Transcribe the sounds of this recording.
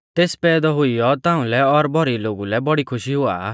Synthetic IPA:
t̪espɛːd̪ɔɦʊijɔt̪ãʊ̃lɛɔɾbʱɔɾiloɡulɛbɔɽikʰʊʃiɦʊa̰ː

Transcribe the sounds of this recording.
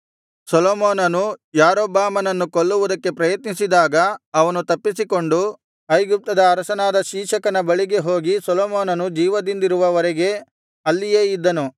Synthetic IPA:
sɔloːmoːnɐnujaːɾoːbaːmɐnɐnːukoɭːuʋud̪ɐkːe̞pɾɐjɐt̪nisid̪aːɡɐːʋɐnut̪ɐpːisiko̞ɳɖu | ɐjɡup̚t̪ɐd̪ɐːɾɐsɐnaːd̪ɐʃiːʃɐkɐnɐbɐɭiɡe̞ɦo̞ːɡisɔloːmoːnɐnud͡ʒiːʋɐd̪ind̪iɾuʋɐʋɐɾeɡe̞ | ɐlːijeːid̪ːɐnu

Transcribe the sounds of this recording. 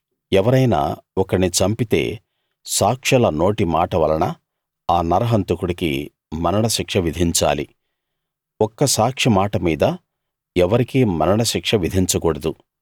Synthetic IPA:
ɛʋɐɾɐjna̰ːɔkɐɽnit͡ʃɐmpit̪e̞̰ː | saːkʂɐlɐnoːʈimaːʈɐʋɐlɐnɐ | aːnɐɾɐɦɐnt̪ukuɽikḭ | mɐnɐɳɐʃikʂɐʋid̪ʱiɲt͡ʃa̰ːlḭ | ɔkːɐsaːkʂimaːʈɐmiːd̪ɐ | ɛʋɐɾikimɐnɐɳɐʃikʂɐʋid̪ʱiɲt͡ʃɐkɔɽɐd̪u

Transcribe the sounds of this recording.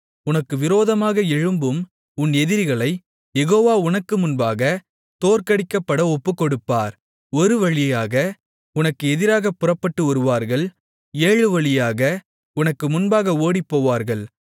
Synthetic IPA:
ʊnɐkːɯʋɪɾoːðɐmaːɣɐɛɻɯmbɯm | ʊnɛðɪɾɣɐɭɐɪ | jɛɣoːʋaːʊnɐkːɯmʊnbaːɣɐ | t̪oːɾkɐɽɪkːɐpːɐɽɐɔpːɯkːɔɽɯpːaːɾ | ɔɾɯʋɐɻɪjɐjaːɣɐ | ʊnɐkːɯɛðɪɾaːɣɐpːʊrɐpːɐʈːɯɔɾɯʋaːɾɣɐɭ | eːɻɯʋɐɭɪjaːɣɐ | ʊnɐkːɯmʊnbaːɣɐoːɽipːoːʋaːɾɣɐɭ

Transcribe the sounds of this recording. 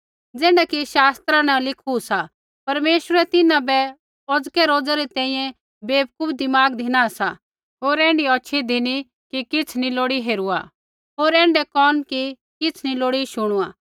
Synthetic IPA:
d͡zɛːɳɖakiʃaːst̪ɾãnɐlɪkʰusa | pɐɾmeːʃəɾɛt̪ɪnãbɛ | ɔd͡zkɛɾoːd͡zaɾit̪ɛ̃ːĩːjɛ̃ | beːb̚kʊbd̪ɪmaːɡd̪ʱɪnasa | ɦoːɾɛ̃ːɳɖiɔt͡ʃʰid̪ʱɪni | kikɪt͡sʰniloːɽiɦeːɾua̰ | ɦoːɾɛ̃ːɳɖɛkɔːnki | kɪt͡sʰniloːɽiʃʊɽ̃uaː

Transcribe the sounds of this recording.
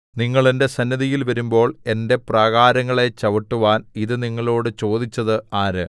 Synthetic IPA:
niŋːɐɭende̞sɐnːɐðijilʋɐɾumbo̞ːɭe̞nde̞prɐɣaːɾɐŋːɐɭe̞t͡ɕɐʋɐʈːuʋaːniðɨniŋːɐɭo̞ːɽɨt͡ɕo̞ːd̪it͡ɕːɐðɨaːɾɨ

